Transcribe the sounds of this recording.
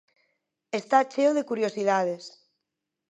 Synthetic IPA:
est̪at͡ʃeoð̞ekuɾjosið̞að̞es

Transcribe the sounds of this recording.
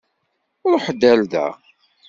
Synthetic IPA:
ʊɾħəd̪ːælðæ̰

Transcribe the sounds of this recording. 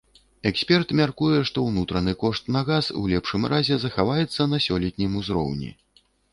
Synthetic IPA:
ɛksʲpʲɛrt̪mʲarkujɛʂt̪ɔwnut̪ɾɐnɨkɔʂt̪nɐɣasṵw̰lʲɛpʂɨmɾʔazʲɛzɐxavajɛt̪sːɐnɐsʲɔlʲɛt̪ʲnʲimuzɾɔ̰wnʲḭ

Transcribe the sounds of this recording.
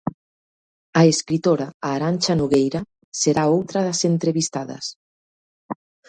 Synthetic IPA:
ɐeskɾit̪oɾaaːɾanʲt͡ʃanuɣejɾa | seɾaowt̪ɾɐðɐsent̪ɾeβist̪aðɐ̰s

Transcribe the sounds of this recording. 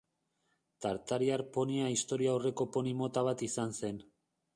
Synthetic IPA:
t̪aɾt̪aɾiaɾpo̞niaist̪o̞ɾiaore̞ko̞po̞nimo̞t̪aβ̞at̪isanse̞n

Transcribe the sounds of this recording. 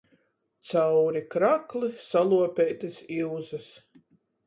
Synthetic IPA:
t̪sawɾikɾaklˠisalˠuɔpʲɛjt̪ɨsiwzɐs

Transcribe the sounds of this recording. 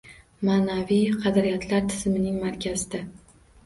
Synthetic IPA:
maːnavijqʰɑd̪ɾijat̪ʰlaɾt̪ʰɪ̥zmɪnɪŋmaɾkʲʰazɪd̪a

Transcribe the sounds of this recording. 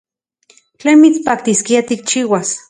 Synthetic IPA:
t͡ɬeːnmit͡spak̚t̪iskiat̪ik̚t͡ʃiːwas

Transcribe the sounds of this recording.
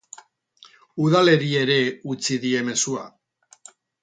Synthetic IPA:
uðale̞ɾie̞ɾe̞ut͡siðie̞me̞sua

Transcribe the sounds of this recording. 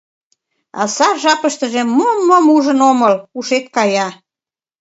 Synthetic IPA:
ɑ̰sɑrʒɑpəʃt̪əʒĕmːomːomuʒənoməluʃet̪kɑjɑ

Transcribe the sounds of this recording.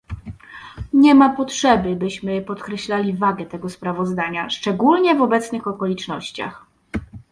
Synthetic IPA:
ɲɛmapɔtʂɛbɘbɘɕmɘpɔt̪kɾɛɕlalʲivaɡɛt̪ɛɡɔspɾavɔzd̪aɲaʂt͡ʂɛɡulɲɛvɔbɛt̪snɘxɔkɔlʲit͡ʂnɔɕt͡ɕa̰x

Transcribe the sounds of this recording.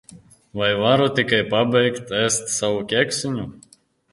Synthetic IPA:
vajvaɾɔt̪ʲikajpabʲɛjkt̪æst̪savɔkʲækʲsʲinʲu

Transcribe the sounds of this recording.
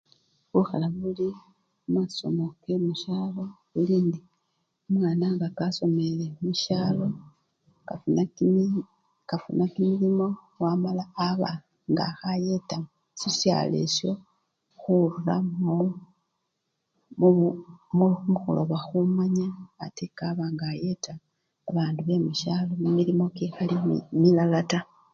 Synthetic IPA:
βuxalaβuli | umaso̞̰mokemuʃaːlo̞βuliːndi | omwaːnaŋɡakaso̞me̞lemuʃaːlo̞ | kan | kafṵnakimilimo̞ | wamalaːβa | ŋɡa̰xajetamo | sisja̰le̞̰sjo̞ | xuɾula̰mo | mumuxṵlo̰βaxumaɲaːtekaβaŋɡaje̞taː | βaːnduβe̞muʃalo̞mumiɾimo̞kexalimmilalata

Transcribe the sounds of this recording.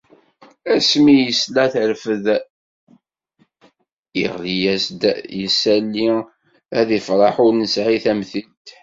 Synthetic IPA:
æsmijəslæθəɾfəð | ə̰ʁlijæsd̪jəsælːi | æðifɾˤɑħʊɾnəsʕiθæmθit̪

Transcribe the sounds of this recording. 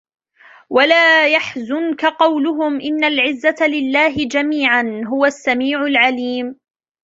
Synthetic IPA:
walaːjaħzʊnkaqɑwlʊɦʊmʔɪnːalʕɪzːat̪lɪlːaːɦɪd͡ʒamiːʕanɦʊwasːamiːʕʊlʕaliːm

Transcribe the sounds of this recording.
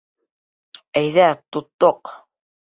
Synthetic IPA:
æjðæt̪ʊt̪ːoq

